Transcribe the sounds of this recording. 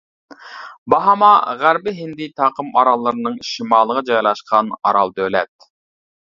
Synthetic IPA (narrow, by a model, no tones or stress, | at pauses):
bɑɦɑmɑʁæɾbɪɦɪnd̪ɪt̪ʰɑːqəmɑ̰ɾɑlˠːɨɾɨnɨŋʃimɑːlˠːəʁɑd͡ʒɑjlˠɑʃqʰɑnɑ̰ɾɑlˠd̪ølɛ̰t̪̚